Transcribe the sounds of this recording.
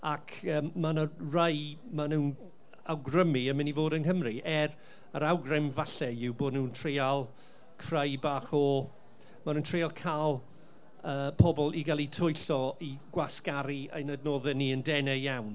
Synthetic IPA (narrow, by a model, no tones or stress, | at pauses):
akʰəːmanərəjmanuːn | awɡrəmiəmɪnivoːdənhəmriɛr | əɾawɡrɛmvaɬɛjɪwboːdnuːntʰrealˠ | kʰrəjbaːχɔ | manuːntʰr̥ealˠkʰalˠ | əːpʰɔbɔlˠiɡalˠitʰʊjɬɔiɡwaskaɾiə̰jnədnɔːðɛniəndɛnɛjawn